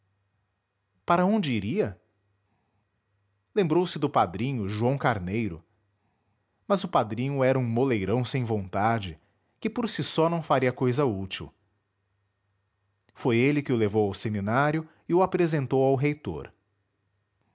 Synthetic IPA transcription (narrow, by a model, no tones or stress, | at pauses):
paɾɐõnd͡ʒɪiɾiɐ | lẽmbɾowsɪd̪ʊpad̪ɾĩɲʊʒuɐ̃w̃kaɾnejɾʊ̰ | mɐzʊpad̪ɾĩɲʊɛɾɐũmolejɾɐ̃w̃sẽj̃võnt̪ad͡ʒɪ | kɪpoɾsisɔnɐ̃w̃faɾiɐkojzɐut͡ʃiw | fojelɪkɪʊlevowawseminaɾjʊ | ɪʊapɾezẽnt̪owawɦejt̪o̰ɾ